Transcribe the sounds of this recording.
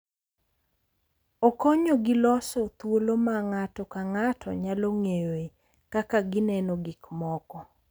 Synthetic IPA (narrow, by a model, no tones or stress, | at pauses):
okoɲoɡɪlɔsɔt̪wolomaŋatɔkaŋatʰɔ̰ɲaloŋejoe | kakaɡɪnɛnɔɡɪkmɔkɔ